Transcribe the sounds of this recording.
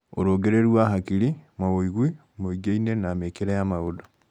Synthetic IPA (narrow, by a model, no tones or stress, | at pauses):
o̰ɾoːɡeɾeɾwaɦakiɾimaβoiɣwi | moiɡeinenamekeɾajamaoda